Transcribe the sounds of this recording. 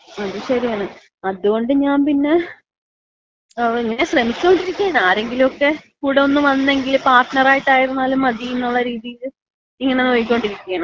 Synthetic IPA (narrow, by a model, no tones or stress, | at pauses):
ɐðuɕɐɾijaːɳɨ | ɐðuɣo̞ɳɖɨɲaːnpinːe̞ | iŋːɐne̞ɕremikʲːo̞ɳɖiɾikʲːuaːɳaːɾe̞ŋɡilumo̞kːe̞kuːɽeo̞nːɨʋɐnːe̞ŋɡilpaːrʈnɐraːjiʈːaːjiɾunːaːlumɐðijunːuɭːɐɾiːðijil | iŋːɐne̞no̞ːjikʲːo̞ɳɖiɾikʲːujɐɳɐm